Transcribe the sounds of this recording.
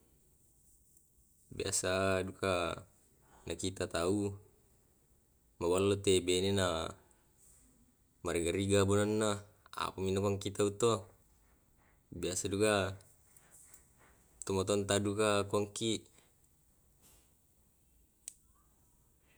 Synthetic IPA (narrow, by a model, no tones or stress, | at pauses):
bia̰saduka | nʔakit̪at̪au | mabalalot̪ebenena | maɾiɡaɾiɡabunanːa | a̰paminakaŋkit̪aut̪o | biasaduka | t̪ɔmat̪̬ɔnt̪adukakaŋkiʔ